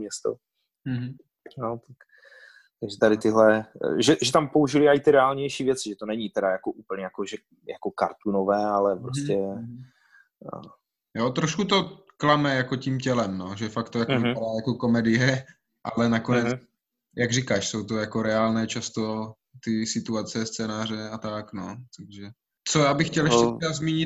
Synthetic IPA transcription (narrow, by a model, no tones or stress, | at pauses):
mɲɛst̪o̰ | ɦ̩ | not̪ak | t̪aɡʒɛt̪aɾɪt̪ɪɦlɛʒɛʒɛt̪ampouʒɪlɪajɪt̪ɪɾɛaːlɲɛjʃiːvjɛt͡sɪʒɛt̪onɛɲit̪ɛɾajakoʔuːpl̩ɲɛjakoʒɛ | jakoka̰ɾt̪unovɛːalɛpɾoscɛ | jot̪ɾoʃkut̪o | klamɛjako̞ciːmcɛlɛmnoʒɛfakt̪ojakovadaːjako̞ko̞mɛdɪjɛ | ʔalɛnakonɛt͡s | jaɡrikaːʃso̞wt̪ojako̞ɾɛaːlnɛːt͡ʃast̪o̞ | t̪ɪsɪt̪uat͡sɛst͡sɛːnaːr̝ɛat̪aknot̪aɡʒɛ | t͡sojaːbɪxcɛlɛʃɛɛazmiːɲɪ